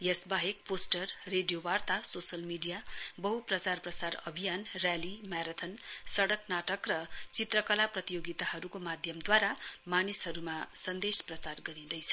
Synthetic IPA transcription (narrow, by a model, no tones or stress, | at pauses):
jʌsbaɦek̚posʈʌrːeɖijowart̪asosʌlmiɖijabʌɦuprʌt͡sarprʌsarʌbʱijanrjalimjaɾʌt̪ʰʌnsʌɽʌknaʈʌkrʌt͡sit̪rʌkʌlaprʌt̪ijoɡit̪aɦʌɾukomad̪ʱjʌmd̪waɾamanisɦʌɾumasʌnd̪esprʌt͡sarɡʌɾid̪ʌjt͡sʰʌ̥